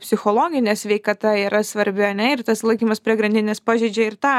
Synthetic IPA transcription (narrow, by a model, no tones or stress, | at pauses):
pʲsʲɪxoːlˠoːɡʲɪnʲɛːsʲʋʲɛɪkɐt̪ɐiːɾɐsʋɐɾʲbʲɪɐnʲɛɪrt̪ɐslˠɐɪkʲiːmɐspʲɾʲiɛɡɾɐnʲd̪ʲɪnʲespɑːʒʲiːd͡ʒʲɛɪɾt̪ɑː